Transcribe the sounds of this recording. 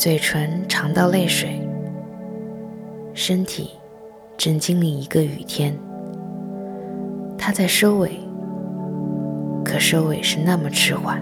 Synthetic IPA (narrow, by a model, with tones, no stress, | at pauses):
t͡swe˨˩ɪʈ͡ʂʰwə˧˥nʈ͡ʂʰɑ˧˥ŋt̪ɑ˥˧ʊle˥˩ɪʂwe˨˩ɪ | ʂə˥nt̪ʰḭ˨˩˦ | ʈ͡ʂə˥˩ŋt͡ɕi˥ŋli˥˩i˧˥ɡə˧y̰˨˩t̪ʰjɛ˥n | t̪ʰa˥t͡sa˥˩ɪʂo˥ʊwe˨˩ɪ | kʰɤ˨˩ʂo˥ʊwe˨˩ɪʂɻ̩˥˧na˥˩mə˩ʈ͡ʂʰɻ̩˥xwa˥˩n